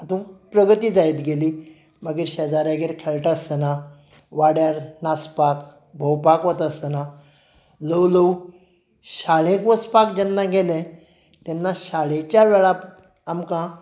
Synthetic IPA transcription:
at̪ũpɾəɡət̪iːd͡zajt̪ɡʱeli | məɡiɾɕəd͡zaɾaɡeɾkʰɛɭʈəsəna | ʋaɽjaɾnaspak | bʱəwpakʋət̪əsəna | ləwləw | ɕaɭẽkʋət͡spak̚d͡ʑɛnːaɡʱelɛ̃ | t̪ɛnːaɕaɭet͡ɕjaʋɛɭap | amkã

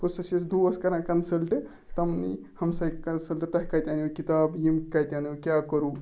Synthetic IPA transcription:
posɐsɐsd̪uɐskɐɾãnkɐnsɐlʈ | t̪ɐmnḭ | hɐmsɐikɐnsɐlʈt̪ɐɦkɐjt̪ʲjaniukit̪aːbjimkɐt̪ʲjanikʲjaːkɐɾu

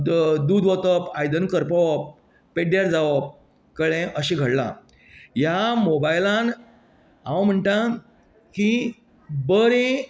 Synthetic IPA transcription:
d̪ud̪ʋɔt̪əpajd̪ənkəɾpəʋəpː | eɽjaɾd͡zaʋəp̚ | kəɭẽʔəɕiɡʱəɽlã̰ | jamobajlãn | ãwm̤əɳʈ̪a | ki | bəɾe

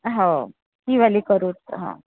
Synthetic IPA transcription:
ɦa | t̪iːʋaliːkəɾuːt̪̚ɦã̰

